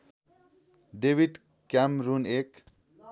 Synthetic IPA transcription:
ɖebiɖ | kamɾunek

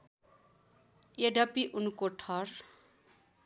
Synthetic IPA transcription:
eɖʌpiʔunkoʈʰʌr

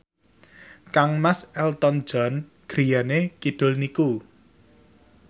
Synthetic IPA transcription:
kaŋmasɛlt̪ɔn̥d͡ʒ̥ɔ̤n | ɡ̥ɾijanekid̪̥ʊ̤lniku

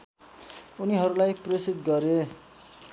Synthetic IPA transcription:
uniɦʌɾulajpresid̪ɡʌɾe

